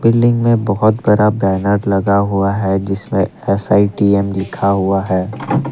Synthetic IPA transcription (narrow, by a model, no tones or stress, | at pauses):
bɪlːɪ̃ŋɡmẽbɔɦʊt̪bɐɾabɛːnəɾlɐɡaɦuaɦɛd͡ʒɪsmẽɛsaːiʈiːɛmlɪkʰaɦʊaɦɛː